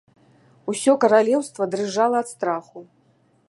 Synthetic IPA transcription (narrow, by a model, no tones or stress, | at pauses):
usʲɔkɐɾalʲɛwst̪vɐd̪ɾɨʐalˠɐːt̪st̪ɾaxu